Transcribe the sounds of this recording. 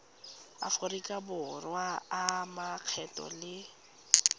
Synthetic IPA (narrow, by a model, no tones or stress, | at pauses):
a̰fʊrikʼabʊrwaːmaq͡χʰɛtʼɔ̰lɪ